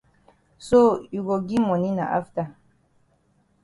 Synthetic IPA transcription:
so˦ju˨ɡo˨ɡi˦mɔ̃˨nĩ˦nã̰˨ʔa̰˦fta˨

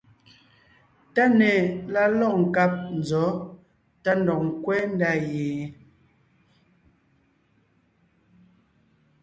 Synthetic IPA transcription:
ta˦nɛ˨la˦lɔ˦˨ŋ̩˨ka˦˨p̚n̩˨zɔ˨˦ | ta˦n̩˨dɔ˨kŋ̩˦kwɛ˦n˦da˦˨jeː˨

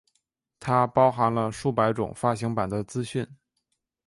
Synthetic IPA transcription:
t̪ʰa˥pɑ˥ʊxa˧˥nlə˧ʂu˥˩pa˧˥ɪʈ͡ʂʊ̰˨˩ŋfa˥ɕi˧˥ŋpa˨˩nd̪ə˦t͡sɹ̩˥ɕy˥˩n

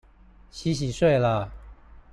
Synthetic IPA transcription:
ɕi˧˥ɕ̬i˨˩ʂwe˥˩ɪlə˨

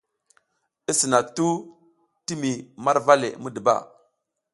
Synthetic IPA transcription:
i˦si˨na˨k̚tu˦ | ti˦mi˨ma˦ɾva˦lḛ˨mu˦də˨ba̰˦˨

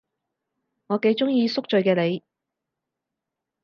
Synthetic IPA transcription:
ŋɔː˨˧ke˨˧jt͡sʊ˥ŋjiː˧sʊ˥k̚t͡ʃɵ˨˧ɥkɛː˧le˨˧j

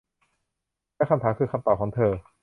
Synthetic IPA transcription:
lɛː˦˥˩ka˧mt̪ʰaː˩˦ŋkʰɯː˧kʰa˧mt̪ɔː˨˩kʰɔː˩˦ŋt̪ʰɤː˧

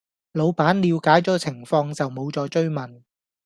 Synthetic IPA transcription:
lo˨˧wpaː˨˥nliː˨˧wkaː˨˥jt͡sɔː˨˥t͡sʰɪ˨˩ŋfɔː˧ŋt͡sɐ˨wmo˨˧wt͡sɔː˨˧t͡ʃɵ˥ɥmɐ˨˩n

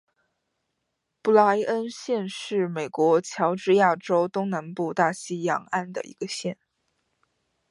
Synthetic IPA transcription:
pu˥˩la˧˥ʔə˥nɕjɛ˥˧nʂɻ̩˥˩me˨˩ɪkwɔ˧˥t͡ɕʰjɑ˧˥ʊʈ͡ʂɻ̩˥˧ja˥˩ʈ͡ʂo˥ʊt̪ʊ˥ŋna˧˥npu˥˧t̪a˥˩ɕi˥jɑ̰˨˩ŋa˥˩nd̪ə̰˩ḭ˧˥ɡ̥ə˧ɕjɛ˥˩n

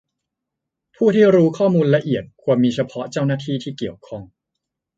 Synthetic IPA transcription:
pʰuː˥˩t̪ʰiː˥˩ɾuː˦˥kʰɔː˥˩muː˧nla˧ʔi˨˩ət̪̚kʰu˧mːiː˧t͡ɕʰa˧pʰɔ˦˥t͡ɕa˥˩wnaː˥˩t̪ʰiː˥˩t̪ʰiː˥˩ki˨˩əwkʰɔ˥˩ŋ

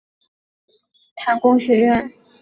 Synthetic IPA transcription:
t̪ʰa˧˥nkʊ˥ŋɕɥɛ˧˥ɥɛ˥˩n

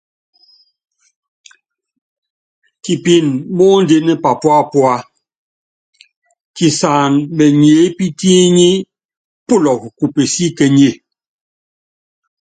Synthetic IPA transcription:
ki˨pi˦˨nmɔː˦n˦de˦nɛ˦pa˨pwa˦pwa˦ | ki˨sa˨nmɛ˨ɲe˨˦pi˦te˦ɲi˦ | pu˦˨lɔ˨k̚ku˨pe˨si˦kɛ˨ɲe˦˨

